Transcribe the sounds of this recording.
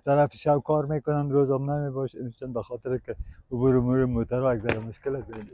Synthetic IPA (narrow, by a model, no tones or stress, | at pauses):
t̪aɾafɪ̥ʃawkɑɾmekʊnanɾozɔmnamebɔʃmt͡ʃanbaxɔt̪ɪɾkɪʊbuɾemuɾemːot̪aɾɔjaɡzaɾamʊʃkɪlak̪e